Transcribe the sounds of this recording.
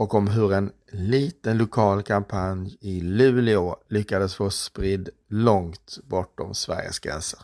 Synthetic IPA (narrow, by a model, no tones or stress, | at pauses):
ɔkɔmɦɵɾɛn | liːt̪ənlʊkʰɑːlkʰampʰanjɪlʉ̟ːlɪʊlʏkːad̪əsfoːspɾɪd̪ | lɔŋt̪bɔʈːɔ̰msvæ̰ɾjə̰sɡ̥ɾɛ̰nsəɾ